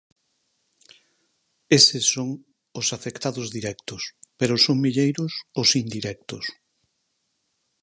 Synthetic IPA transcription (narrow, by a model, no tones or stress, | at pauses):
esɪsoŋ | ʊsafekt̪aðʊzðiɾɛkt̪ʊspeɾʊsoŋmiʎejɾʊsʊsind̪iɾɛk̚t̪ʊs